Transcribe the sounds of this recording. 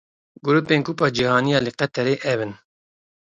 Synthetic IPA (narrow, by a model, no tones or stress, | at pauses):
ɡuɾupeːnkuːpɑːd͡ʒihɑːnijɑːlɨqɛt̪ʰɛɾeːʔɛbɨn